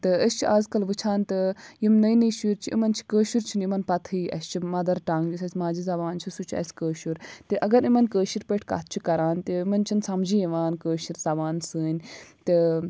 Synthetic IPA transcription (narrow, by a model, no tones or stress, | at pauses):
t̪ɨəst͡ʃʰiaːzkɐlʋɨt͡ʃʰaːnt̪ɨjimnɐjnɨjʃuɾt͡ʃʰiʔḭmɐnt͡ʃʰi̥kəːʃuɾt͡ʃʰinimɐnpɐt̪ʰiːʔɐ̰st͡ʃʰimɐd̪ɐɾʈaːŋɡd͡ʒusɐsʲmaːd͡ʒizɐbaːnt͡ʃʰisut͡ʃʰɐ̰sʲkəːʃuɾt̪ɨʔɐɡɐɾimɐnkəːʃiɾpeʈʰka̰t̪̚ʰt͡ʃʰikɐɾaːnt̪ɨimɐnt͡ʃʰinsɐmd͡ʒijiʋaːnkəːʃiɾzɐbaːnsɨːnʲt̪ɨ